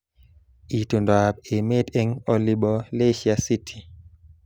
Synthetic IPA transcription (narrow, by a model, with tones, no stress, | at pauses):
i˨tu˨ndwa˨be˨me˦te˦ŋɔ˨li˨ɓɔ˨le˦ʃia˨si˦tʰi̥˨